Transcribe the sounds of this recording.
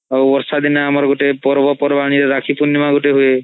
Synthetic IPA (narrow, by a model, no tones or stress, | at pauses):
awɔɾsad̪inaamaɾɡoʈepɔɾɔbɔpɔɾbaɽ̃iɾeɾakʰipunːimaɡuʈeɦue